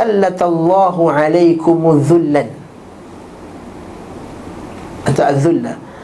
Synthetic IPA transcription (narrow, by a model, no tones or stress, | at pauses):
alːat̪ɑlˤːɑːɦʊʕalajkʊmʊðːʊlːan | ʔat̪aʔaðːʊlːa